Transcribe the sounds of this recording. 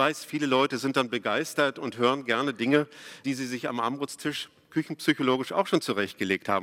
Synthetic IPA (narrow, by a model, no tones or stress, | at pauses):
v̥aɪsfiːləlɔʏtəzɪnt̚d̥anbəɡaɪstɐtʊntɦøːʁ̞ənɡɛɐnədɪŋəd̥iːziːzɪça̰mʔa̰mʁʊt͡stʰɪʃ | kʰʏçn̩psyçoloːɡɪʃa̰ʊxʃoːnt͡suʁɛçt̚ɡ̥əleːktha̰ːbm